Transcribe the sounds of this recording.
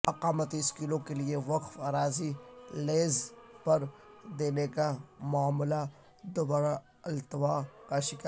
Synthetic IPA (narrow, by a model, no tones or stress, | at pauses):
ɐqaːmət̪iɪskilõkelieʋɐqfaːɾaːzileːzpɐɾd̪eːnekamaːmla | d̪ʊbaːɾa | ɐlt̪ʋaːkaʃɪka